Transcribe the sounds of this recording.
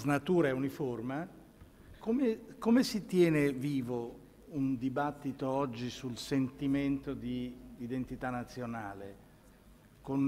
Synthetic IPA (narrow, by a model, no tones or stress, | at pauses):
znat̪uːɾaɛuniforma | komekomesit̪jɛːneviːvo | und̪ibat̪ːit̪oɔd͡ʒːisulsent̪iment̪od̪iːd̪ent̪it̪anːat̪sːjonaːle | kon